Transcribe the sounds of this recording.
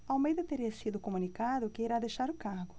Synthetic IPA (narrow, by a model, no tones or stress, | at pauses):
awmejd̪ɐt̪eɾiɐsid̪ʊkomunikaðʊkɪiɾad̪eʃaɾʊkaɾɡʊ